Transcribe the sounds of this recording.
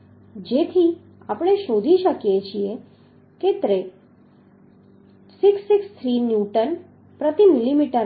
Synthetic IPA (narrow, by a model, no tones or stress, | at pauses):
d͡ʒet̪ʰi | apɽ̃eʃod̪ʱiʃəkjet͡ʃʰie | ket̪ɾe | sɪksːɪkst̪ʰɾinjuʈən | pɾət̪imilimiʈəɾ